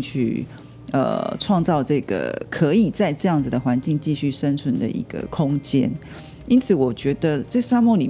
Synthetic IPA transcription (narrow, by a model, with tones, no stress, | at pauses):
t͡ɕʰy̰˥˩ | ə̰˩ʈ͡ʂʰwɑ˥˧ŋt͡sɑ˥˧ʊʈ͡ʂɤ˥˩ɡ̥ə̰˩kʰɤ˧˥i˨˩t͡sa˥˧ɪʈ͡ʂɤ˥˧jɑ˥˩ŋd͡z̩˨˩d̪ə˩xwa˧˦nt͡ɕi˥˧ŋt͡ɕi˥˧ɕy˥˩ʂə˥nt͡sʰwə˧˦nd̪ə̰˨ʔḭ˧˥ɡ̥ə̰˧kʰʊ˥ŋt͡ɕjɛ̰˥n | i˥nt͡sʰɹ̩˨˩wɔ˨˩t͡ɕɥɛ˧˥d̪ə˨ʈ͡ʂə˥˩sa˥mu˥˩li˨˩